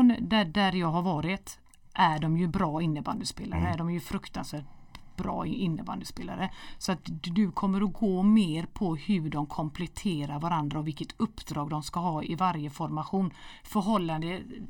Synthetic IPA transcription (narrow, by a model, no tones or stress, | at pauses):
nd̪æɖæɾjɑːɡɦaɾvɑːɾɪt̪ | ʔæɖɔmjɵbɾɑːɪnːəba̰nd̪əspeːla̰ɾəæɖɔmjɵfɾɵkt̪ansvæːʈ̚b̥ɾɑ̰ːɪnːəba̰nd̪əspeːla̰ɾəsɔat̪d̪ɵkʰɔmːəɾɔɡoːmeːɾpʰɔhɵɖɔmkʰɔmpʰlɛt̪ʰeːɾaɾvaɾand̪ɾaɔvɪlkːət̪ʰɵpːd̪ɾɑːɡd̪ɔmskaɦɑːɪvaɾjəfɔɾmaɧuːn | fœɾɦɔlːand̪ə